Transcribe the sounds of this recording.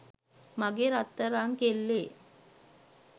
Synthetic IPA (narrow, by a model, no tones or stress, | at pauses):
maɡeɾat̪ːəɾaːŋkelːe